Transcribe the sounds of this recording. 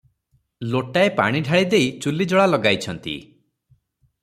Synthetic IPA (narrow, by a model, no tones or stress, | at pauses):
loʈaepa̰ɽ̃iɖʱaɭid̪ejt͡ʃulid͡ʒɔɭalɔɡajt͡ʃʰɔnt̪ḭ